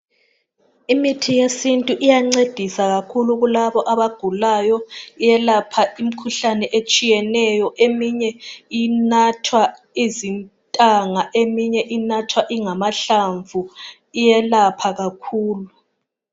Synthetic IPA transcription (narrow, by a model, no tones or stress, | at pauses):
imitʰijesintʼuʔijaŋ͡ǀed̥ʱisaɣakʰuluɣulaβɔʔaβaɡ̥ʱulajɔijɛlapʰaim̩kʰuɬanɛʔet͡ʃʼijɛnɛjɔʔemiɲɛinatʰwa | izintʼaŋaʔemiɲɛʔinatʰwaʔiŋamaɬaɱvu | ijɛlapʰaɣakʰuːlu